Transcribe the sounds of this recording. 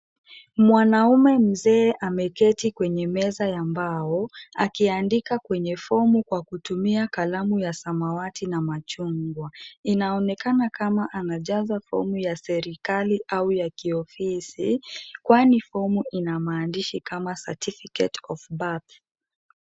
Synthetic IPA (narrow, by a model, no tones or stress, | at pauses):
mwanaumɛm̩zɛːʔamɛkɛtikwɛɲɛmɛzajambaɔa̰kiandikakwɛɲɛfɔmukwakutumiakalamujasamawatinamat͡ʃuŋɡwainaɔnɛkanakamaʔanaʄazafɔ̰mujasɛɾikaliʔawujakiɔfisikwanifɔmuʔinamaːndiʃikamasa̰tifikɛ̰tɔfbat